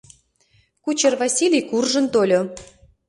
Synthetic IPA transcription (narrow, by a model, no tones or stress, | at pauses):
kut͡ɕervɑsʲilʲijkurʒə̆nt̪olʲo